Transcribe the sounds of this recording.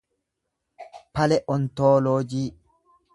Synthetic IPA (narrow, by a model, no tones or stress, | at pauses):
pɐlɛʔɔnt̪oːloːd͡ʒiː